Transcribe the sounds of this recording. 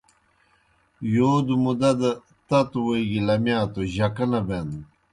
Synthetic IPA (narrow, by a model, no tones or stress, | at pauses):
joːd̪umud̪ɐd̪ɐ | t̪ɐt̪uweiɡilɐmjaːt̪oʑɐkɐnɐben